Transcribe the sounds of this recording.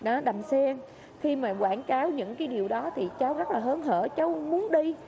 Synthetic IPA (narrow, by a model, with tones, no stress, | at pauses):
ɗɔ˨˦ɗa˨˩msɛ˧ŋ | xi˧maː˨˩kwaː˧˩nkaː˨˦wɲɨ̰˧˥ŋkaː˨˦jɗi˨˩əwɗɔ˨˦t̪ʰi˨˩t͡ɕaː˨˦wzə˦˥t̚laː˨˩ɦəː˨˦nɦə̰ː˧˩t͡ɕə˨˦wmu˨˦ənɗi˧